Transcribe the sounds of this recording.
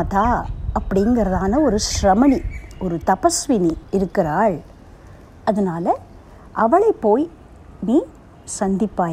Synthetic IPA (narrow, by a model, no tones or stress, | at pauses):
t̪aːɐpːɐɽɪŋɡɐɾɐðaːnɐɔɾɯʃɾɐmɐniɔɾɯt̪ɐpɐsʋɪniɪɾɯkːɪɾaːɭ | ɐðɐnaːlɐ | ʔɐʋɐɭɐɪpːoːj | niː | sɐnd̪ɪpːaː